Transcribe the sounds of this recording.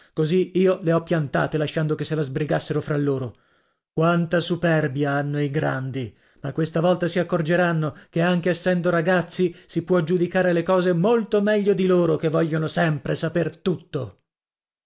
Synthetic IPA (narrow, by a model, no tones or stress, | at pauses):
koziiːoleɔpːjant̪a̰ːt̪elaʃːand̪okesːelazbɾiɡasːeɾofɾalːoːɾo | kwant̪asupɛrbjaanːoiɡɾa̰nd̪i | makːwest̪avɔlt̪asiakːord͡ʒeɾanːokeaŋk̟eːsːɛnd̪oɾaɡat̪sːisipwɔd͡ʒud̪ikaːɾelekɔːzemolt̪omɛʎːod̪iloːɾokevːɔʎːonosɛmpɾesapert̪ut̪ːo